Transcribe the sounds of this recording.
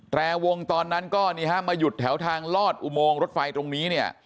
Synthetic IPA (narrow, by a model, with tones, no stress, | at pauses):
t̪ɾɛː˧wo˧ŋt̪ɔː˧nːa˦˥nkɔː˥˩niː˧˩ka˦˥˩maː˧ju˨˩t̪ʰːɛ˩˦wt̪ʰaː˧ŋlɔː˥˩t̪̚ʔu˨˩moː˧ŋɾo˦˥t̪̚fa˧jt̪ɾo˧ŋniː˦˥ni˥˩ɐ